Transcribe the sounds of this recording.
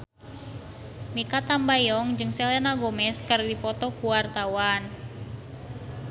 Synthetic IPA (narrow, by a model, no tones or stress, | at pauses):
mikat̪ambajɔŋd͡ʒɨŋsɛlɛnaɡomɛskərdipɔt̪ɔkuwart̪awan